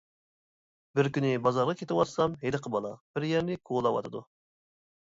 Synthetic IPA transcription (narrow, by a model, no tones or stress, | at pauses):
bɪɾkʲynɪbɑzɑɾʁɑkʲʰet̪ɪwɑt̪sɑmɦed̪ɨqʰəbɑlˠɑb̥ɪɾjɛɾnɪkʰolˠɑwɑ̰t̪ʰɨd̪u